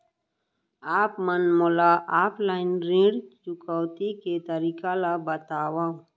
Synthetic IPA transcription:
aːpmənmoːlaʔaːpʰlaːɪnɾẽːɽt͡ʃʊkəwt̪iket̪əɾiːkalabət̪aːwã

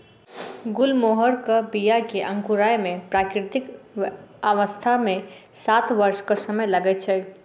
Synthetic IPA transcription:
ɡʊlmoɦəɾkəbijakeʔə̃ŋkuɾajmẽpɾakɾɪt̪ik | aʋəst̪ʰamẽ | sat̪ʋəɾskəsəməjləɡɛt̪̚t͡ʃʰɛ

